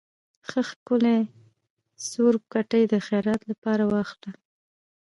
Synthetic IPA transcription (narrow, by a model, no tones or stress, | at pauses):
xəxkʊle | suɾkaʈəjd̪əxajɾɑt̪lapɑɾawɑxla